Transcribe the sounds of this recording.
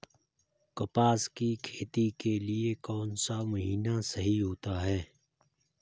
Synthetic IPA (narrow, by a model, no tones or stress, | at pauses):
kɐpaːskikʰeːt̪ikeliekɔːnsamʊɦiːnasɐɦiɦoːt̪aɦɛː